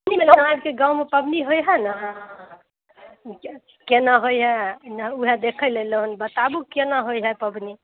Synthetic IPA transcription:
pəbnimelanabkeɡãumepəbniɦojɦɛna | kenaɦojɦɛnauɦed̪ekʰəleləɦunbət̪abukenaɦojɦɛpəbni

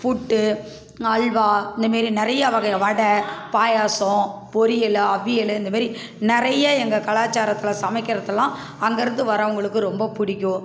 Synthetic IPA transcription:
fʊʈːɯ | ɐɭʋaːɪnd̪ɐmaːd̪ɾinɪɾɐjɐʋɐɣɐʋɐɽɐpaːjaːsɔ̃pɔɾɪjɛlɐʋːɪjɛlɯɪnd̪ɐmaːɾi | nɪɾɐjɐɛŋɡɐkɐɭaːt͡ʃːaːɾɐt̪ːɪlɐsɐmɐɪkːɪɾɐðɐlːãː | ɐŋɡɐɪɾɯnd̪ɯʋɐɾɐʊŋɡɐɭɯkːɯɾɔmbɐpʊɽɪkʲːʊ̃

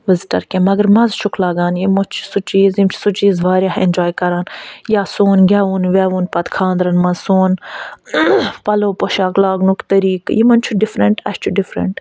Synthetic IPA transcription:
ʋɪzʈɐ̰ɾkʲẽmɐɡɐɾmɐzt͡ʃʰʊkʰlaːɡaːnjimot͡ʃʰsut͡ʃiːzimt͡ʃʰi̥sut͡ʃiːzʋaːɾʲjaːhḛnʲd͡ʒaːjkɐɾaːnjaːsoːnɡʲaːʋuːnʋʲaːʋunpɐt̪kʰãːnd̪ɾɐnmɐnsoːn | pɐloːpoʃaːklaːɡnukt̪ɐɾiːkjimɐnt͡ʃʰuɖɪfɾɐɳʈɐ̰ʃt͡ʃʰuɖɪfɾɐ̰ɳʈ

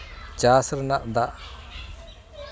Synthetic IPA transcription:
t͡ʃasɾnaʔd̪aʔ

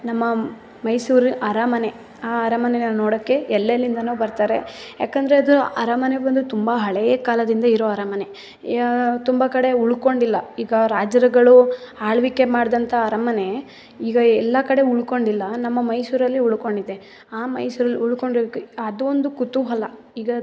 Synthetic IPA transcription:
nɐmːɐ | mɐjsuːɾɐɾaːmɐne̞ | aːɐɾamɐnenannoːɽokːe̞ɛlːelːind̪ɐnuːbɐɾt̪aːɾe̞̰ja̰ːkɐnd̪ɐɾeɐd̪uɐɾaːmɐnebɐnd̪ut̪umbɐɦɐɭejɐkaːlɐd̪ind̪ɐiɾoːɐɾaːmɐne̞ | t̪umbɐkɐɽe̞uɭko̞ɳɖilːɐiːɡɐɾaːd͡ʒɐɾɐɡɐɭuaːɭʋikːe̞maːɽd̪ɐnt̪ʰɐːɾɐmɐne̞ | iːɡɐɛlːɐkɐɽe̞uɭko̞ɳɖilːɐnɐmːɐmɐjsuːɾɐlːiuɭko̞ɳɖid̪e̞ | aːmɐ̰jsuːɾɐlːiuɭko̞ɳɖkːuɐd̪uond̪ukut̪uɦɐlːɐ | iːɡɐ

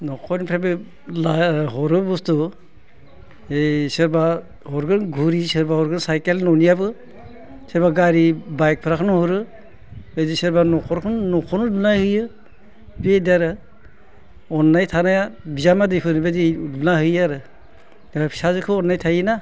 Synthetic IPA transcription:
nɔkʰɔnpʰɾabe | laɦɔɾɯbustu | esɯɾba | hɔɾɡɯnɡʱuɾisɯɾbaɦɔɾɡɯnsajkelnɔnijabɯ | sɯɾbaɡaɾibajk̚pʰɯɾakʰɯnuhɔɾɯ | bedisɯɾbanɔkʰɔɾkʰɯnnɔkʰɔnulunahɯjɯ | bedaɾɯ | ɔnːajtʰanajabizamadɯjpʰɯnbedilunahɯjaɾɯ | ebapʰi̥sazɯkʰɯɔnːajtʰajɯna

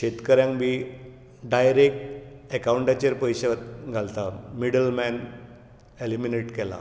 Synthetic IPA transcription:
ɕet̪kəɾjãŋkbi | ɖajɾek̚ʈekawɳʈat͡ɕəɾpəjɕet̪ɡʱalt̪amiɽəlmɛn | elimineʈkɛla̰

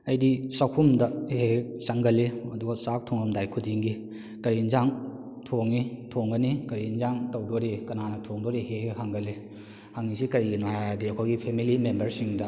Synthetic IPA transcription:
ɐjdisakʰumdɐhesaŋɡɐleɐduɡɐsak̚tʰoŋɐmdajkʰudiŋɡi | kɐɾinzaŋ | tʰoŋːitʰoŋɡɐnikɐɾinzaŋtɐwdoɾikɐnanɐtʰoŋdoɾiɦehehaŋɡɐle | haŋːisikɐɾiɡinajadiɐkʰojɡipʰemilimembɐɾsiŋdɐ

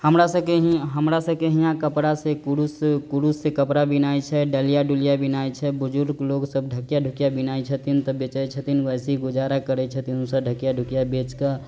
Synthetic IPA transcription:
həmɾasəkeɦiɦəmɾasəbkeɦijãkəpɾasekuɾuskuɾusːekəpɾabinajt͡ʃʰɛɖəlijaɖuljabinajt͡ʃʰɛbud͡ʒuɾɡloɡsəbɖʱəkjaɖʱukjabinajt͡ʃʰət̪int̪ɔbet͡ʃɛt͡ʃʰət̪inəsiɡud͡ʒaɾakəɾɛt͡ʃʰət̪inusəɖʱəkijaɖʱukjabet͡ʃka

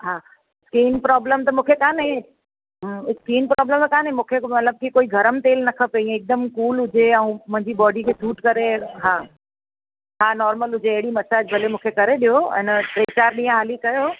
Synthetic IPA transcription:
ɦaː | skiːnpɾɔːbləmt̪ɐmũːkʰekãːnɦĩ | skiːnpɾɔːbləmkãːnɦĩmũːkʰemɐt̪ləb̚kikoːiɡʱɐɾəmt̪eːlnɐkʰəpeĩek̚d̪əmkuːlɦʊd͡ʑeɛũmʊ̃ɦɪ̃ɲd͡ʑibɔːɖikʰeːsuːʈkɐɾeɦaː | ɦaːnɔːɾməlʊd͡ʑeɐɦɪɽimɐsaːd͡ʑbʱɐlemũːkʰekɐɾeɗijoɛ̰̃ːnəʈɾeːt͡ɕaːɾɗĩːãɦaːlikɐjoː

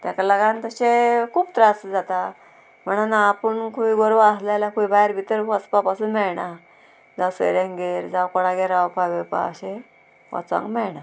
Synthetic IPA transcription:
t̪ãkalaɡant̪əɕekʰuːbt̪ɾasd͡zat̪a | m̤əɳ̃anaːpəɳkuiɡɔɾʋaslalakuibajɾbʱit̪əɾʋəspapasunmɛɭɳa | d͡zawsḛɾẽŋɡeɾd͡zawkɔɽaɡɛɾawpaʋepa̰ə̰ɕe | a̰t͡sã̰ŋkmɛɭɳa

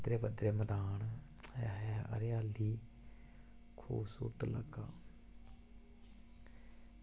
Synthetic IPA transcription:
d̪ɾeːbəd̪ɾeːməd̪aːnɛːɦɛə̰ɾjaːlːiː | kʰṵːbsṵɾt̪ləɡaː

